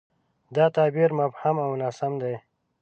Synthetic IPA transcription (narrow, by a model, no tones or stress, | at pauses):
d̪ɑːt̪aːbiɾmabhamawnasamd̪aj